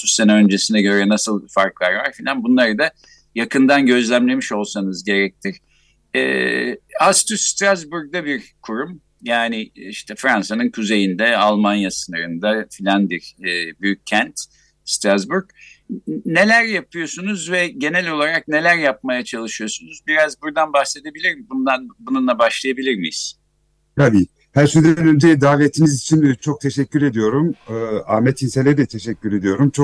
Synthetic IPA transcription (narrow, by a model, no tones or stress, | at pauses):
ysenɛø̞nd͡ʒe̞sinɛɟø̞ɾɛnasɯlˠfaɾklˠaɾva̰ɾfilʲanbunlˠaɾɯd̪a | jakɯnd̪anɟø̞zlʲæmlʲe̞miʃo̞lˠsanɯzɟe̞ɾɛc̚t̪ʰiɾ̥ | ɛ̰ːast̪ʰyst̪ɾazbuɾɡ̚d̪abiɾkʰuɾum | jaːnɪiʃt̪ʰɛfɾansanɯnkʰuze̞jind̪ɛalˠmanjasɯnaɾɯnd̪afilʲanbiɾbyjycʰːænt̪ | st̪ɾazbuɾk | ne̞lʲæɾjapʰɯjo̞sunuzvɛɟe̞nɛlʲo̞lˠaɾak̚ne̞lʲæɾjap̚majat͡ʃʰalˠɯʃɯjo̞sunuzbiɾazbuɾd̪anbaxse̞d̪e̞bilʲiɾmbund̪anbununlˠabaʃlˠajabilʲiɾmijḭz̥ | t̪ʰabiː | hæɾʃynd̪ɛnønd͡ʒejid̪aːvet̪ʰimizit͡ʃʰint͡ʃʰo̞k̚t̪ʰeʃɛcʲːyɾe̞d̪ijo̞ɾumɯaɾmɛt̪ʰinselʲɛd̪ɛt̪ʰeʃɛcːyɾe̞d̪ijo̞ɾumt͡ʃʰo